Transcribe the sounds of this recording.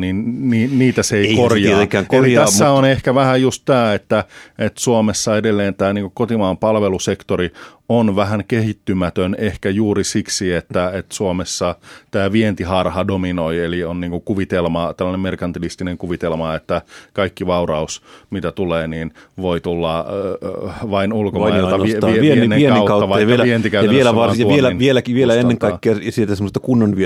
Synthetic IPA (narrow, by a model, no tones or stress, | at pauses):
ninniːniːt̪æseikorjɑkːæŋkelit̪æsːæonehkæʋæhæjjust̪t̪æːet̪ːæet̪suomesːɑedelːeːnt̪æːniːŋkukot̪imɑːmpɑlʋelusekt̪oɾi | onʋæɦæŋkehit̪ːymæt̪ønehkæjuːrisiksiet̪ːæet̪suomesːɑt̪æːʋient̪ihɑrhɑdominoielionniːŋkuŋkuʋit̪elmɑt̪ælːɑnemerkɑnt̪ilist̪ineŋkuʋit̪elmɑet̪ːækɑikːiʋɑurɑusmit̪æt̪uleːniːn | ʋoit̪ulːɑ | ʋɑinulkooɑʋiienːeiekɑutkɑuɑʋɑʋeʋient̪ikæyɑnʋelæʋɑˑsuʋielænʋielækiʋielæenːeŋkɑiːeɑsielt̪æsemːəst̪ːɑkunːonʋy